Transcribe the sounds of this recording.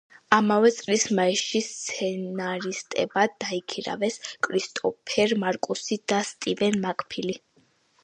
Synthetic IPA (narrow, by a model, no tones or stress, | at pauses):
amavɛt̪sʼlismaɛʃist̪sʰɛnaɾist̪ʼɛ̰bad̪aikʰiɾa̰vɛskʼɾist̪ʼɔpʰɛɾmaɾkʼusid̪̥ast̪ʼivɛnmakʼpʰili